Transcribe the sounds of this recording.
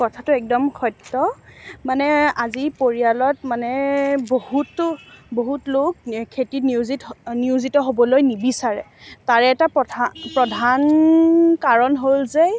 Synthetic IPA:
kɔtʰatʊɛk̚dɔmkʰɔjtːɔmanɛazipoɹialɔtmanɛbohutboɦutlok̚kʰːetinuzitniuzitɔɦobɔlojnibisaɹɛ | taɹɛːtapɹɔdʱan | kaɹɔnɦolze

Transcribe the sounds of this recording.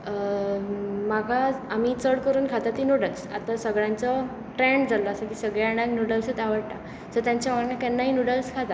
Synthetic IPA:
maɡʱaːmiːt͡səɽkəɾuːnkʰat̪at̪iːnuɽəlsa̰t̪asəɡɭjãnt͡sɔ | ʈɾɛɳɖd͡zalɔasakiːsəɡɭjaɽ̃aknuɽəlsət̪aʋəɽʈ̪a̰ | səɾt̪jãɲt͡ɕamaɳnakɛnːaɦinuɽəlskʰat̪a

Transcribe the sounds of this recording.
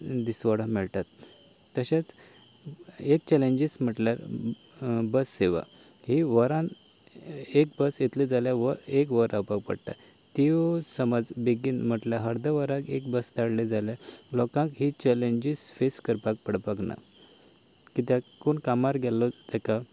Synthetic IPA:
d̪isʋəɽ̤ãmɛɭʈ̪at̪ː | əɕat͡s | ek̚t͡ɕɛlẽɲd͡ʑism̤əʈljaɾ | bəsːeʋa̰ | ɦiʋəɾãn | ek̚bəsjet̪led͡zaljaʋəek̬ʋəɾapak̚pə̰ɽʈ̪a̰ | t̪iosəməd͡zbiɡinm̤əʈljaɦəɾd̪əʋəɾãkekbəst̪aɽled͡zaljalɔkãkɦit͡ɕɛleɲd͡ʑisfeskəɾpak̚pəɽpakna̰ | kit̪jãkoɳkamaɾɡʱɛlɔt̪ɛka

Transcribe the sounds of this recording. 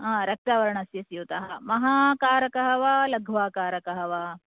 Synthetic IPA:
ãːɾɐk̚t̪aːʋɐɾɐɳɐsjɐsjut̪ɐɦɐmɐɦaːkaːɾɐkɐɦɐʋaːlɐɡʱʋaːkaːɾɐkɐɦɐʋaː

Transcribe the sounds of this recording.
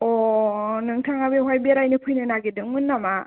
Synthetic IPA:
ɔnɯŋtʰaŋabeɦwajbiaɾajnɯpʰɯjnɯnaɡedɯŋmɯnːama

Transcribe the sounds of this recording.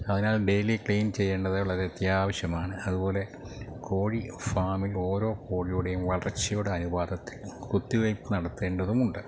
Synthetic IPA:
ɐðinaːlɖe̞jlikɭejnt͡ɕe̞jːe̞ːɳɖɐðɐuɭɐɾet̪jaːʋɐɕjɐmaːɳɨɐðubo̞ːle̞ | ko̞ːɻifaːmilo̞ːɾo̞ːko̞ːɻijuːɽe̞jumʋɐɭɐrɐt͡ɕːɐjoːɽeɐnubaːd̪ʱɐt̪ːilkut̪ːiʋɐjpːɨnɐɽɐt̪ːe̞ːɳɖɐðumuɳɖɨ

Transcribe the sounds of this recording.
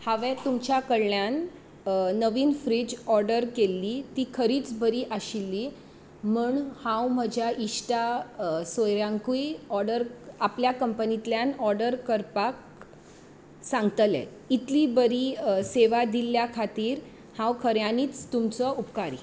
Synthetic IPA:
haʋɛt̪umt͡ɕjakəɽljan | nəʋiːnfɾid͡ʑɔɾɖəɾkelːiːt̪iːkʰəɾiːt͡sbʱəɾiːʔaɕilːi | m̤uːɳhãwm̤əd͡ʑʱjaʔiɕʈasəjɾjãŋkujɔɾɖəɾapljakəmpənit̪ljanɔɾɖəɾkəɾpak̚ | sãŋɡt̪əlɛ̰ | it̪liːbəɾiːseʋad̪ilːjakʰat̪iːɾ | hãwkʰəɾjaniːt͡st̪umt͡səupkaɾḭ

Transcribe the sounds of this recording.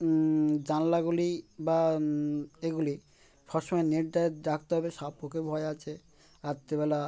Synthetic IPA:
d͡ʑanlaɡuliba | eɡuli | fʰɔɾʃɔmɔeneʈɖaeɾak̚ʰt̪eɦɔbeʃapokebʱɔeat͡ɕʰe | aɾt̪ebela

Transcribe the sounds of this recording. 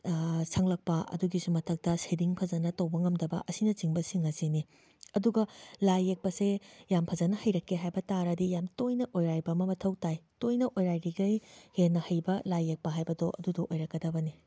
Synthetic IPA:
sʰɐŋlɐk̚pɐɐ̰duɡisumɐtʰɐk̚tɐsediŋpʰɐzɐnɐtɐwbɐŋɐmdɐbɐ̰ʔɐsinɐt͡ʃiŋbɐsiŋɐseni | ɐduɡɐlajːek̚pɐsejampʰɐzɐnɐhɐjɾɐkʰːeɦajbɐtaɾɐdijamtojnɐʔojɾajbɐmɐmɐtʰɐwtajtojnɐʔojɾajɾiɡɐjhenːɐhɐjbɐlajek̚pɐɦajbɐdoʔɐ̰dudoʔojɾɐkɡɐdɐbɐni

